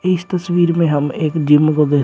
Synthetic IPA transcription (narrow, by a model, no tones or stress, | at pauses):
ɪst̪ɐsʋiːɾmẽɦɐmeːkd͡ʒɪmːɡəɡe